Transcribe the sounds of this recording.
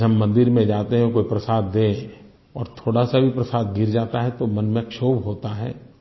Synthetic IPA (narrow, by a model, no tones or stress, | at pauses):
ɐmːɐ̃nd̪ɪɾmẽd͡ʒaːt̪eɦɛ̃koːipɾɐsaːd̪ːẽ | ɔːɾt̪ʰoːɽasabʱipɾɐsaːd̪̚ɡʱiɾd͡ʒaːt̪aɦɛ̃t̪omɐnmẽkʃoːbɦoːt̪aɦɛ̰ː